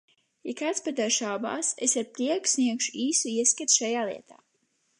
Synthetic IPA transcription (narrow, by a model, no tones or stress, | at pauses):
jakaːt̪spad̪aɾʃaːba̰ːsesaɾpɾiɛku̥sniɛkʃuiːsuiɛskat̪ʃajaːlˠḭɛt̪ʰaː